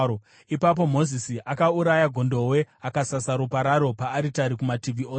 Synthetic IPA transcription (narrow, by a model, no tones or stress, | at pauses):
o | ipap̬o̞mo̞zisiʔakauɾajaɡʱo̞ndo̞we̞akasasaɾupaɾaɾo̞paːɾitaɾikumativʱioː